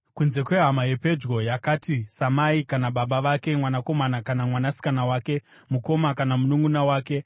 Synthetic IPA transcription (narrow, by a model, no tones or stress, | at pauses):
kunze̞kwe̞ɦamaje̞pe̞d͡ʒɣo̞jakatisamaikanaɓaɓaʋake̞mwanako̞manakanamwanasi̥kanawaːke̞ | muko̞makanamunuŋɡunawaːke̞